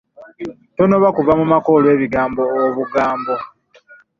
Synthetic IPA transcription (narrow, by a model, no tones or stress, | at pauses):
tono̞βakuvamumako̞lwe̞ːβiɡaːmbo̞ːβuɡaːmbo̞